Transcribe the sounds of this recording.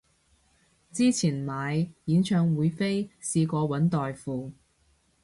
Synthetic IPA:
t͡siː˥t͡sʰiː˨˩nmaː˨˧jjiː˨˥nt͡ʃʰœː˧ŋwuː˨˧jfe˥jsiː˧kɔː˧wɐ˨˥nt̪ɔː˨jfuː˧

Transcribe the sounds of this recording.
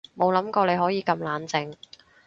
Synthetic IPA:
mo˨˧wlɐ˨˥mkɔː˧le˨˧jhɔː˨˥jiː˨˧kɐ˧mlaː˨˥nt͡sɪ˨˧ŋ

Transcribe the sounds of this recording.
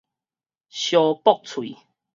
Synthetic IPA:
ɕjɔ˧pɔ˥˦˨k̚t͡sʰwḭ˨

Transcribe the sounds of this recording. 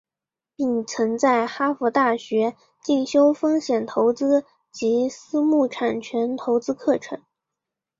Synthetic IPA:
pi˥˩ŋt͡sʰɤ˧˥ŋt͡sa˥˩ɪxa˥fu˧˥t̪a˥˩ɕɥɛ˧˥ | t͡ɕi˥˩ŋɕjo˥ʊfɤ˥ŋɕjɛ˨˩nt̪ʰo˧˥ʊt͡sɹ̩˥ | t͡ɕi˧˥sɹ̩˥mu˥˩ʈ͡ʂʰa˨˩nt͡ɕʰɥɛ˧˥nt̪ʰo˧˥ʊt͡sɹ̩˥kʰɤ˥˩ʈ͡ʂʰɤ˧˥˦ŋ

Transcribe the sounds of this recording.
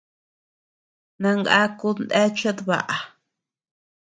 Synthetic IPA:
nã˧ŋɡa˦ku˧nd̪e˦t͡ʃa˦ðβa̰˨ʔa˨

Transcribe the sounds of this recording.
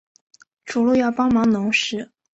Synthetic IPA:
ʈ͡ʂu˨˩lu˥˧jɑ˥˩ʊpɑ˥ŋmɑ˧˥ŋnʊ˧˥ŋʂɻ̩˥

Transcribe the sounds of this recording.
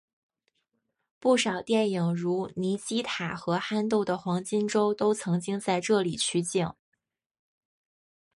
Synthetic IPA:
pu˥˩ʂɑ˨˩ʊt̪jɛ˥˩ni˨˩ŋɻu˧˥ni˧˥t͡ɕi˥t̪ʰa˨˩xɤ˧˥xa˥nt̪u˥˩ʊd̪ə˩xwɑ˧˥ŋt͡ɕi˥nʈ͡ʂo˥ʊt̪o˥ʊt͡sʰɤ˧˥ŋt͡ɕi˥ŋt͡sa˥˧ɪʈ͡ʂɤ˥˩li˨˩t͡ɕʰy˥˧t͡ɕi˥˩ŋ

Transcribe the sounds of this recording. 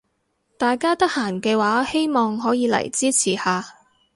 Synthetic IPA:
t̪aː˨jkaː˥t̪ɐ˥k̚haː˨˩nkɛː˧waː˨˥he˥jmɔː˨ŋɦɔː˨˥jiː˨˧lɐ̰˨˩jt͡siː˥t͡sʰiː˨˩haː˧

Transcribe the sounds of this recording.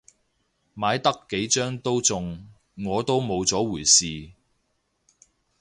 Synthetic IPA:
maː˨˧jt̪ɐ˥kːe˨˥jt͡ʃœː˥ŋt̪o˥wt͡sʊ˧ŋː | ɔː˨˧t̪o˥wmo˨˧wt͡sɔː˨˥wuː˨˩jsiː˨˧

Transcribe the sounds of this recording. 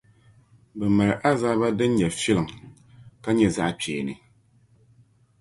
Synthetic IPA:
bɛ˨ma˨ɾɨ˨ʔa˦za˦ba˦dɨ˦n˦ɲɛ˨fi˦lɨ˨ŋ | ka˦ɲɛ˦za̰˦ʔpɛː˨nɨ̰˨

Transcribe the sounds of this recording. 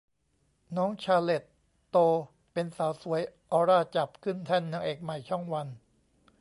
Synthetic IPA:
nɔː˦˥ŋt͡ɕʰaː˧le˨˩t̪ː | oː˧ | pe˧nsaː˩˦wsu˩˦əjʔɔː˧ɾaː˥˩t͡ɕa˨˩p̚kʰɯ˥˩nt̪ʰɛː˥˩nːɯ˧əŋʔeː˨˩k̚ma˨˩jt͡ɕʰɔ˥˩ŋwa˧n

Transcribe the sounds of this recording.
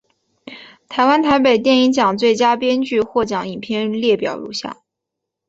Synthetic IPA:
t̪ʰa˧˥ɪwa˥nt̪ʰa˧˥ɪpe˨˩ɪt̪̬jɛ˥˩ni˧˥ŋt͡ɕjɑ˨˩ŋt͡swe˥˩ɪt͡ɕja˥pjɛ˥nt͡ɕy˥˧xwɔ˥˩t͡ɕjɑ˨˩ŋi˨˩npʰjɛ˥˧nljɛ˥˩pjɑ˨˩ʊlṵ˧˥ɕja̰˥˩

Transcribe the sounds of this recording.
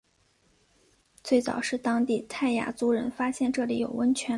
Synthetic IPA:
t͡swe˥˩ɪt͡sɑ̰˨˩ʊʂɻ̩˥˩t̪ɑ˥ŋt̪i˥˩t̪ʰa˥˩ɪja̰˥˩t͡su˥ɻə˧˥nfa˥ɕjɛ˥˧nʈ͡ʂɤ˥˩li˨˩˥jo˨˩ʊwə˥nt͡ɕʰɥɛ˧˥

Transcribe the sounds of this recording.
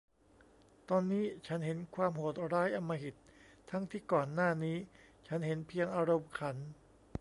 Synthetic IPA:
t̪ɔː˧nːiː˦˥t͡ɕʰa˦˥nɦe˩˦nkʰwaː˧mɦo˨˩t̪̚ɾaː˦˥jʔa˧mːaː˧ɦi˨˩t̪̚ʰːa˦˥ŋt̪ʰiː˥˩kɔː˨˩nːaː˥˩niː˦˥t͡ɕʰa˦˥nhe˩˦npʰi˧əŋʔaː˧ɾo˧mkʰa˩˦n

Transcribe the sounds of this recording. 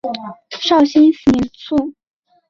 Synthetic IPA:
ʂɑ˥˩ʊɕi˥nfi˧˥nt͡sʰu˥˩

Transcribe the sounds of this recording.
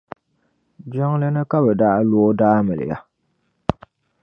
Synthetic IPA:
d͡ʒɔ˦ŋlɨ˦nɨ˦ka˦bɛ˨daː˦loː˦daː˦mɨ˨lɨ̰˨ja˦

